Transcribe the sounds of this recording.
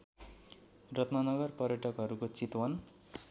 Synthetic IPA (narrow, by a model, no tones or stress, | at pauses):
rʌt̪nʌnʌɡʌrpʌrjʌʈʌkɦʌɾukot͡sit̪wʌn